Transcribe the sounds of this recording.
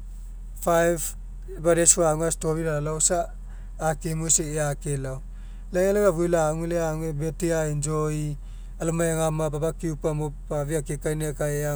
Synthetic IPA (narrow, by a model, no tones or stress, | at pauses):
pʰajb | baɾesuaŋastobiɾaalawsaː | kemuseeakelaw | laŋalaɡaβulaŋileaŋebetiaind͡ʒoji | alumajaŋamababakiupamupaβiakikajnekajea